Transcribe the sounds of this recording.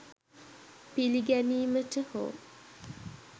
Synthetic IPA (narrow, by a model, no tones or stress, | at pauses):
piliɡæniːməʈəho̰ː